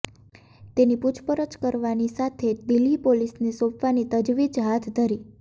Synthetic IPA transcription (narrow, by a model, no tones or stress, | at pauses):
t̪eniput͡ʃʰpəɾət͡ʃkəɾʋanisat̪ʰed̪ilipolisnisõpʰʋanit̪əd͡ʒʋid͡ʒɦat̪ʰd̪ʱəɾi